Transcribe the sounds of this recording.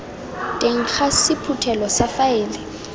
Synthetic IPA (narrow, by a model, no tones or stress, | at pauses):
tʼeŋ̩k͡xasɪpʰutʰɛlɔsafaeːli